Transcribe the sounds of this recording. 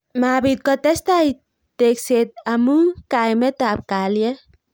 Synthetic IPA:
mabit̪̚kɔt̪ɛst̪ai | t̪ekset̪̚amukajmɛt̪ap̚kaljɛ

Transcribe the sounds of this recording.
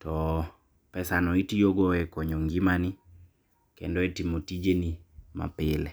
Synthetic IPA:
tɔ | pɛsanɔitijoɡɔɛkɔɲɔŋɡimanɪ | kɛ̰ndɔetimotid͡ʒenima̰pɪlɛ

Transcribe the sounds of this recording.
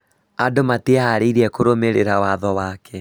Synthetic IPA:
adomateaaɾeiɾiɛkoɾomeɾeɾawaðɔwaːkʰɛ

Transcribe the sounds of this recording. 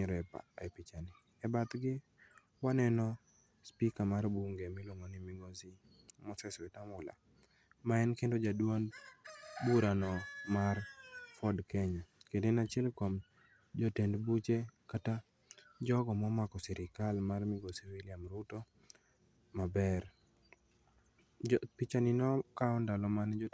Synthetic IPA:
ɲɾɔɛpa̰ɛpit͡ʃanɪ | ɛbat̪ɡɪ | wanɛnɔ | spikamarbuŋɡemɪlwoŋonɪmɪɡosi | mɔsɛswɛtamʊla̰ | maɛnkendod͡ʒadwon | buɾanɔmarfɔdkɛɲɔkendenat͡ʃɪɛlkɔm | d͡ʒɔtendbut͡ʃekata | d͡ʒɔɡɔmɔmakɔsɛɾɪkalmarmɪɡosiwiliamɾuto | mabɛɾ | pit͡ʃanɪnɔkaɔndalɔmand͡ʒɔ

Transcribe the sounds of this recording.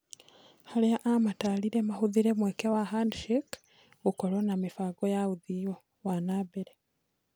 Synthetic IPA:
haleaʔamataːliɾemahuðiɾemwekewaɦandiʃek | ukolonamifaːɡojauðio | wanaːbeɾe

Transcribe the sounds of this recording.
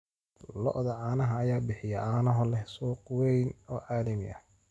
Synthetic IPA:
lɔ̰ʔðɐʕɑːnɐɦɐːjaːbɪħɪjɛʔaːnɐɦɔlɛhsuːqwɛjnɔːʕaːðɐmɪ̰ʔɐ̰

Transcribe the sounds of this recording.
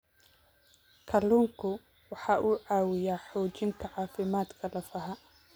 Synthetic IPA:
kʰɐluːŋkʰʊ | wɑħɑːʔuːʕɑːwɪjaːħɔːt͡ʃɪŋkʰɐʕɑːfɪmaːd̪kʰɐlɐfɐɦɐ

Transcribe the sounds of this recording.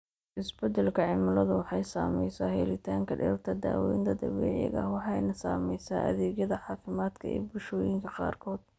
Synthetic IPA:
ʔɪsbɛd̪ɛlkʰɐʕɪmʊlɐðʊwɑħɑjsaːmɛjsaːhɛlɪt̪ʰaːŋkʰɐɖɪɾɐt̪ʰɐd̪a̰ːwɛjnt̪ʰɐd̪ɐβɛːʕɪ̰ɣɐ̰wɑħɑjnɐsaːmɛjsaːʔɐ̰ðɛːɡjɐðɐʕɑːfɪmaːd̪kʰɐ̰ʔɛ̰ːbʊʃɔːjɪŋkʰɐqɑ̰ːrkʰɔːd̪̥

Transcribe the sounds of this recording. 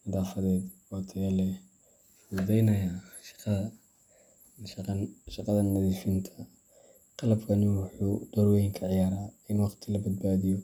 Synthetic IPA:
nɪðaːfɐðɛːd̪wɑt̪ʰɐjɐlɛ | fʊd̪ɛjnɐjaʃqɐɐ | ʃqʃɑqɑðɐnmɐðifɪnt̪ʰɐ̥ | qɑlɐbkʰɐnɪwɑħuːd̪̥ɔɾwɛjɪŋkʰɐʕɪjaːɾaːɪnwɑqt̪ʰɪlɐbɐd̪̚baːðɪjɔ

